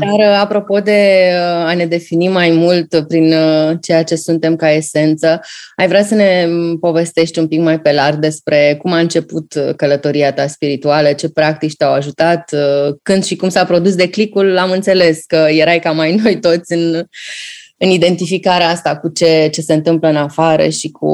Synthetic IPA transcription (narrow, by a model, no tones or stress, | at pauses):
d̪arapɾo̞po̞d̪e̞ane̞d̪e̞finimajmult̪pɾint͡ʃe̞jat͡ʃe̞sunt̪e̞mkae̞se̞nt̪səajvɾeasəne̞po̞ve̞st̪e̞ʃt̪ʲumpikmajpe̞larɡ̚d̪e̞spɾe̞kumaɨnt͡ʃe̞put̪kələt̪o̞ɾiat̪aspiɾit̪ualət͡ʃe̞pɾak̚t̪it͡ʃʲt̪eawaʒut̪at̪kɨnd̪ʃikumsapɾo̞d̪us̬d̪e̞klikulamɨnt̪se̞le̞skəje̞ɾajkamajno̞jt̪o̞t̪sʲɨn | ɨnid̪e̞nt̪ifikaɾeast̪akut͡ʃe̞t͡ʃe̞se̞ɨnt̪ɨmpləɨnafaɾə̰ʃikṵ